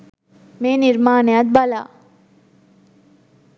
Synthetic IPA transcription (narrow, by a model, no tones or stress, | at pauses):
meːniɾmaːnejat̪̚bala̰